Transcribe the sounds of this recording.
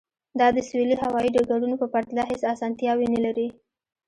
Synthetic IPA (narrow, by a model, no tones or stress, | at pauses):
d̪ɑd̪əseliɦawɑiɖəɡaɖunopəpaɾt̪lɑɦesasɑnt̪jɑwinelaɾi